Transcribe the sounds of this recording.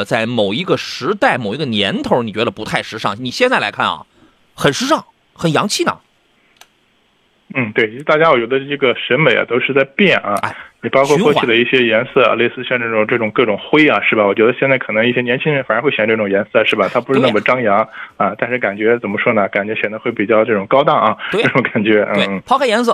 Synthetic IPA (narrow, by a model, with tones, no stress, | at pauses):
t͡sa˥˩ɪmo˨˩ʊi˧˥ɡə˥˧ʂɻ̩˧˥t̪a˥˩ɪmo˨˩ʊi˧˥ɡə˧njɛ˧˥nt̪ʰo˧˥ʊni˨˩t͡ɕɥɛ˧˥d̪ə˧pu˧˥t̪ʰa˥˧ɪʂɻ̩˥ʂɑ˥˩ŋni˨˩ɕjɛ˥˧nt͡sa˥˩ɪla̰˧˥kʰa˥˩nɐ̰˨˩ | xə˨˩nʂɻ̩˥ʂɑ˥˩ŋ | xə˨˩njɑ˧˥ŋt͡ɕʰi˥˩nə̰˩ | n̩˥˩t̪we˥˩ɪ˧˥ɻ̩˥˩t̪a˥˩t͡ɕja˥wɔ˨˩t͡ɕɥɛ˧˥d̪ə˧i˥˩ɡə˩ʂə˧˥nme˨˩ɪʔɐ̰˨˧t̪o˥ʊʂɻ̩˥˧t͡sa˥˧ɪpjɛ˥˩nɐ̰˧˩˧ni˨˩pɑ˥ʊkʰwɔ˥˧wɔ˥˧kʰy˥˩d̪ə˦i˥˩ɕjɛ˥jɛ˧˥nsɤ˥˩ɐ̰˧˩le˥˧sɹ̩˥˧ɕjɑ˥˧ʈ͡ʂɤ˥˩ʈ͡ʂʊ˨˩ŋʈ͡ʂɤ˥˩ʈ͡ʂʊ˨˩ŋkɤ˥˩ʈ͡ʂʊ˨˩ŋxwe˥ɪɐ˨ʂɻ̩˥˩bɐ˨˩wɔ˨˩t͡ɕɥɛ˧˥ə˧ɕjɛ˥˧nt͡sa˥˩ɪkʰɤ˨˩nɤ˧˥ŋi˥˩ɕjɛ˥njɛ˧˥nt͡ɕʰi˥ŋɻə˧˥nfɻwe˥˩ɪɕɛ˨˧˥ʈ͡ʂɤ˥˩ʈ͡ʂʊ˨˩˧jɛ˧˥nsɤ˥˩ʂɻ̩˥˩bɐ˨˩t̪ʰa˥pu˧˥ʂɻ̩˥˧n˥˩mə˩ʈ͡ʂɑ˥ŋjɑ˧˥ŋɐ˧t̪a˥˧nʂɻ̩˥˩ka˨˩nt͡ɕɥɛ˧˥t͡sə˨˩nmə˦ʂwɔ˥nə˨˩ka˨˩nt͡ɕɥɛ˧˥ɕjɛ˨˩nd̪ə˧˥xwe˥˩ɪpi˨˩t͡ɕjɑ˥˧ʊʈ͡ʂɤ˥˩ʈ͡ʂʊ˨˩ŋkɑ˥ʊt̪ɑ˥˩ŋɐ˩ʈ͡ʂɤ˥˩ʈ͡ʂʊ˧˥ŋka˨˩nt͡ɕɥɛ˧˥n̩˥˩n̩˥˩pʰɑ˥kʰa˥˩jɛ˧˥ns̬ɤ˥˩